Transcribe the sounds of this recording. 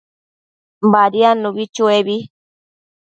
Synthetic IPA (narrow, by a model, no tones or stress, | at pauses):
baɾianũβit͡ʃueβi